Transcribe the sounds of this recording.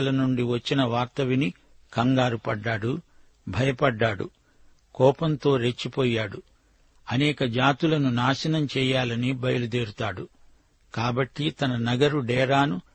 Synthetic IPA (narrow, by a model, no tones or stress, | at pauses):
ɐlɐnuɳɖiʋɐt͡ʃːinɐʋaːk̚t̪ɐʋini | kɐŋɡaːɾupɐɖːaːɽu | bʱɐjɐpɐɖːaːɽṵ | kɔːpɐnt̪o̞ːɾet͡ʃːipɔːjaːɽu | ɐnɛːkɐd͡ʒaːt̪ulɐnunaːʃɐnɐmt͡ʃɛːjaːlɐnibɐjɐlud̪eːɾut̪aːɽu | kaːbɐʈːit̪ɐnɐnɐɡɐɾuɖɛːɾaːnu